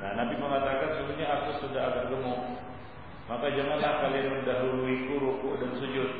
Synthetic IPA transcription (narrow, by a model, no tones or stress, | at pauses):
nahnamp̪iməŋat̪akansuduɲaːkʊsudaɦaɡarɡəmʊ | makad͡ʒaŋanlahkalianməndaɦuɾuikuɾukʊʔdansud͡ʒʊt̪̚